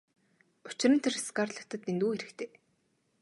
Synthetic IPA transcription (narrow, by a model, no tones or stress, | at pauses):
ʊt͡ɕɪ̆rɾɘ̆nt̪ʰeriskaːrɮə̆xt̪ə̆t̪ent̪uːxeɾɘ̆kt̪ʰeː